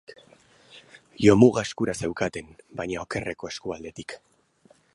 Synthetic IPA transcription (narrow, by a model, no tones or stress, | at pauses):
jo̞muɣaeskuɾase̞wkat̪e̞nbaɲao̞ke̞re̞ko̞e̞skuald̪e̞t̪ik